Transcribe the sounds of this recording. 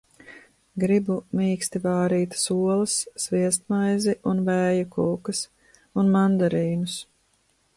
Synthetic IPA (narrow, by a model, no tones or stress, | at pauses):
ɡɾibumiːkst̪ivaːɾiːt̪suɔlˠɐsːviɛst̪̚majziʔunvæːjukuːkɐs | unmand̪aɾiːnus